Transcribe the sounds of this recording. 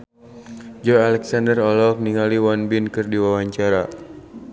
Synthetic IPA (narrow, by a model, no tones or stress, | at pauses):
d͡ʒɔalɛksandərɔlɔk̚niŋaliwanbinkɨrdiwawaɲt͡ʃaɾa